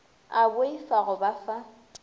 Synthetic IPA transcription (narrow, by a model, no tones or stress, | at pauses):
abʊifaɣʊbafa